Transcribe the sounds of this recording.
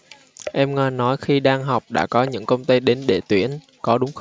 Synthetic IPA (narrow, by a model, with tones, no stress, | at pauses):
ʔɛ˧mŋaː˧˩nɔ˨˦jxi˧ɗaː˧ŋɦa˨˩wk͡p̚ɗa̰ː˧˥kɔ˨˦ɲɨ̰˧˥ŋkə˧wŋ͡mt̪ə˧jɗe˨˦nɗe˧˩t̪wḭ˧˩ən | kɔ˨˦ɗʊ˨˦ŋ͡mx